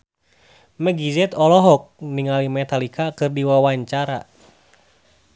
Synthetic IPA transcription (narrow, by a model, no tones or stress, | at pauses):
mɛɡizɛt̪ɔlɔɦɔk̚niŋalimɛt̪alikakɨrdiwawaɲt͡ʃaɾa̰